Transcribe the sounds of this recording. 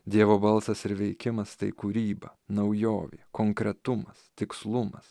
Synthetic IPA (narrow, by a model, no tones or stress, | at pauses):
d̪ʲiɛʋoːbɐlˠsɐsɪɾʋʲɛɪkʲɪmɐst̪ɐɪkuːɾʲiːbɐ̰nɐʊjoːʋʲeːkoːŋkɾʲɛt̪ʊmɐst̪ʲɪkslˠʊmɐ̰s